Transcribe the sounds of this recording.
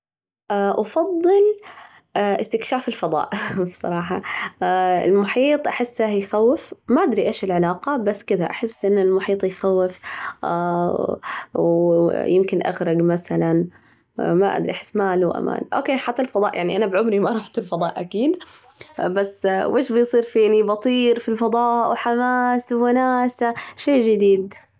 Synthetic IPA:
ʔaʔɑfɑðˤːɨlː | ʔɪst̪ɪkʃaːfɪlfɑðˤɑ̰ːʔbsˤɑ̰ɾˤɑːħɑ | ɪ̰lmʊħiːt̪ˤʔaħɪsːʔahjxawːɪfmaʔad̪ɾiʔeːʃɪlʕɪlaːqɑbasːkɪðaʔaħɪsːʔɪnːɪlmʊħiːt̪ˤjxawːɪf | wjɪmkɪnʔa̰ɣɾˤɑɡmaθalan | maʔa̰d̪ɾiʔaħɪ̥sːmaːluwʔa̰ma̰ːnʔo̰ːkeːħat̪ːalfɑðˤɑːʔjʔaʕniʔanabʕʊmɾimaɾˤɑːħt̪ɪlfɑd̪ˤɑːʔʔakiːn | basːwʔeːʃbɪjsˤiːɾfiːnibɑt̪ˤiːɾfilfɑd̪ˤɑːʔwħamaːswmanaːsaʃeːʒɪd̪iːd̪

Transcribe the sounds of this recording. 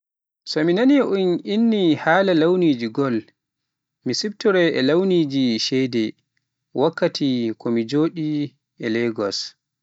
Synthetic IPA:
sɔminaniʔuninːihaːlalawniːd͡ʒiɡɔl | misibtɔɾɛʔɛlawniːd͡ʒiʃɛjdɛ | wʔakːatʰikɔmid͡ʒoːɗi | ɛlɛɡɔs

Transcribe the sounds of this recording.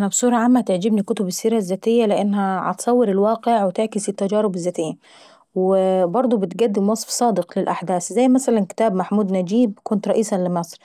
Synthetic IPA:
ʔanabsˤuːɾˤɑʕamːat̪ɪʕd͡ʒɪbnikʊt̪ʊbɪsːiːɾazːaːt̪ɪjːalɪʔanːhaʕa̰t̪sˤɑwːɪɾɪlwaːqɪʕwɪt̪ɪʕkɪsit̪ːad͡ʒaːɾɪbɪzːaːt̪ɪjːa | wɪbɑɾˤd̪ˤubɪt̪ɡad̪ːɪmwɑsˤfsˤɑːd̪ɪqlɪlʔaħd̪aːszajːmasalankɪ̥t̪aːbmaħmuːd̪nad͡ʒiːb̚kʊnt̪ɾˤɑʔiːsalɪmɑsˤɾ

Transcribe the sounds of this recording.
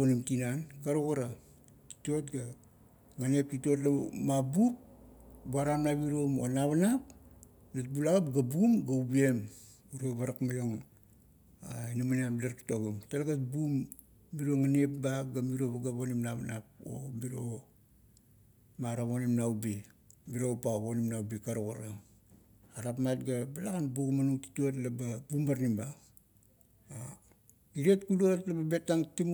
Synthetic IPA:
onimtinankaɾoɡaɾa | i̥to̞tɡa | ŋanep̚tito̞t̬lamabup̚buaɾamnaβiɾomonaβanap | nat̚bulaɣapɡabumɡaubie̞m | uɾoβaɾakmajoŋ | ainamanaplaɾktoɡomtalaɡat̚bumː | iɾoŋanepbaɡamiɾoβaɡaβonimnaβanap̚o̰miɾo̞ | maɾaβonimnaubimiɾo̞paβonimnawbikaɾoɡoɾa | aɾapmat̚ɡabalaɡanbuɡumanuŋti̥tuat̬lababumbaɾnimba | a | iɾetkuluatlababe̞taŋtim

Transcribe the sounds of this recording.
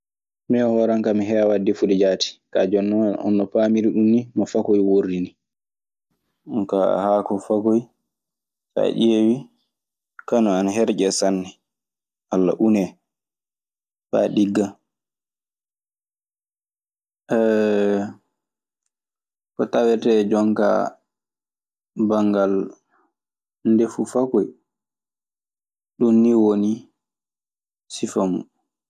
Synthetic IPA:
mɛɔhɔɾaŋkamiɦɛawadːifuɗid͡ʒaːti̥kad͡ʒɔnːɔɔ̰nːɔfamiɾiɗumːimɔfakojworini | ka̰hakɔfakoj | ka̰ɗewi | kanɔanaɦɛɾd͡ʒɛsanːɛ | ʔalːa̰ʔunɛ | ba̰ɗiɡːa | ʔɛ | kɔtawɛtɛd͡ʒɔŋka̰ | baŋɡal | ndefufakɔj | ɗunːiwoni | sifamṵ

